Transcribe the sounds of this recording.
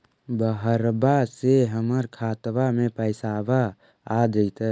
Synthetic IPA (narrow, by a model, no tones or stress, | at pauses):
bəɦəɾbaseɦəməɾkʰaːt̪ʋamẽpəɪsabaː | d̪ət̪ə